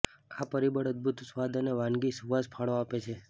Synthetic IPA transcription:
apəɾibəɽəd̪̚bʱut̪sʋad̪əneʋãnɡisuʋaspʰaɭoapet͡ʃʰe

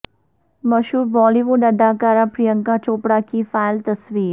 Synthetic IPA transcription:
mɐʃuːɾbɔːliʋʊɖɐd̪ʱaːkaːɾapɾijə̃ŋkat͡ʃoːpɽakifaːɪlt̪ɐsʋiːɾ

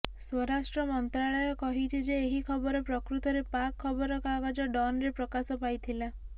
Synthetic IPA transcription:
swɔɾasʈɾɔmɔnt̪ɾaɭɔjɔkɔɦit͡ʃʰid͡ʒeːɦikʰɔbɔɾɔpɾɔkɾut̪ɔɾepakʰːɔbɔɾɔkɔaɡad͡ʒɔɖɔnɾepɾɔkasɔpajt̪ʰila

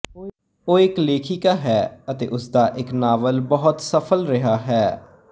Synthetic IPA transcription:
oːɪkleːkʰiːkaːɦɛːət̪ḛːʔʊsd̪aːʔɪknaːʋəlbəɦʊt̪səpʰəlɾɪɦaːɦɛː

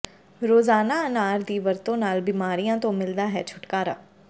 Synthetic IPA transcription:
ɾoːzaːnaːənaːɾd̪iːʋəɾt̪õːnaːlbɪmaːɾijãːt̪õːmɪld̪aːɦɛːt͡ʃʰʊ̥ʈkaːɾa̰ː

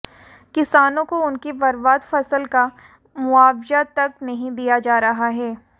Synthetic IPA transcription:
kɪsaːnõkoʊnkebɐɾbaːd̪fɐsəlka | mʊaːbzat̪ɐknɐɦĩd̪ijad͡ʒaːɾɐɦaɦɛː

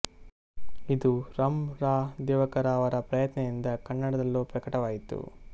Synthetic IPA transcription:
id̪uɾɐmɾaːd̪ɛːʋɐkɐɾaːʋɐɾɐpɾɐjɐt̪nɐjind̪ɐkɐnːɐɽɐd̪ɐlːoːpɾɐkɐʈɐʋaːjit̪ṵ

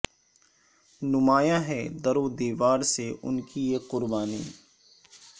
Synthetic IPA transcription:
nʊmaːjaɦɛd̪ɐɾoːd̪iːʋaːɾseʔʊ̰nkijeqʊɾbaːniː

